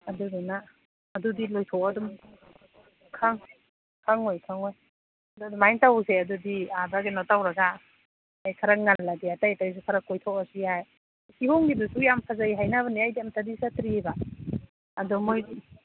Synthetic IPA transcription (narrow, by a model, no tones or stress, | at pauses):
adudunaː | dudilɔjtʰɔwadum | kʰaŋ | kʰaŋojkʰaŋoj | duadumajntawseadudiabaɡenɔtawɾaɡa | ajkʰaɾak̚ŋalːadiatajtajs̬ukʰaɾakːɔjtʰɔwasiaj | kihɔŋɡidusujampʰazaiɦajnaβɐniajdiamtadisatɾibaː | dɔmojdi